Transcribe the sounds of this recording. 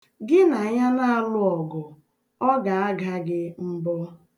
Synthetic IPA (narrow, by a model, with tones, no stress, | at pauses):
ɡɪ˦na˨ɲa˦na˦a˨˦lʊ˦ɔ˨ɡɔ˨ | ɔ˦ɡa˨a˦ɡa˦ɡɪ˦m̩˦bɔ˦